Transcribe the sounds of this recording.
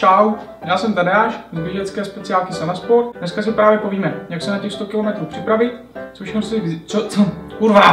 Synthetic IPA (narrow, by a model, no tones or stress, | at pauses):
aw | dalsɛmt̪adaːʃzbjɛʒɛt͡skɛːspɛt͡sɪjaːlkɪsɛnaspoɾt̪nɛskasɪpɾaːvjɛpoviːmɛjaksɛnacɛxst̪okɪlo̞mɛt̪ɾuːpr̥ɪpɾavɪt̪ | t͡soʃɛxnosvt͡sot͡souɾva